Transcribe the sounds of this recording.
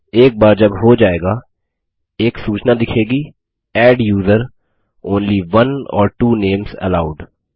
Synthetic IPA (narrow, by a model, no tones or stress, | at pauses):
eːk̚baːɾd͡ʒɐbɦod͡ʒaːeːɡa | eːksuːt͡ʃnad̪ɪkʰeːɡi | ɛːɖjuːzəɾ | õːnliʋɐ̃nɔ̰ːɾʈuːnẽːmzɛ̰laːʊɖ